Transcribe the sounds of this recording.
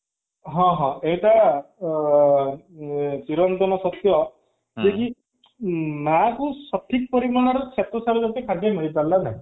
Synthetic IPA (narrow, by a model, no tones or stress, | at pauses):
ɦɔ̃ɦɔ̃ejʈa | t͡ʃiɾɔnt̪ɔnɔsɔt̪jɔ | keki | makusɔʈʰik̚pɔɾiaɽ̃aɾɔt͡ʃʰet̪ɔsaɾud͡ʒat̪ikʰad̪ʱemeɭipallːanaj̃